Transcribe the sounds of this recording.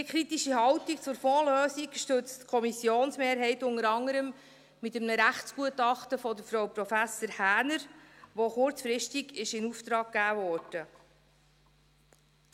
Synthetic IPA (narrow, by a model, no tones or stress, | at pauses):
d̥iəkʰɾit̪iʃihɑwtikt͡sʊɾfɔːløːsiɡʃtɵt͡stkʰɔmisjoːnsmeːɾɦɛɪtʊŋəɾɑŋːəɾəm | mɪt̪əmnəɾæχtsɡ̥uətɑχtəfɔdəɾfɾɔwpɾɔfæsəɾhæːnəɾʋoχʊɾt͡sfɾɪʃtiɡɪʃɪnuft̪ɾɑːɡ̚ɡæːvɔːɾd̥ə